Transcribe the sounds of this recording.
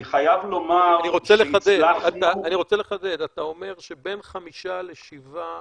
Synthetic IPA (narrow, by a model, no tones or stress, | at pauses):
iχajavlomaanniʁot͡seleχad̪edaat̪aːniʁo̞t͡seleχad̪ed̪at̪ao̞me̞ʁʃe̞be̞nχamiʃale̞ʃiva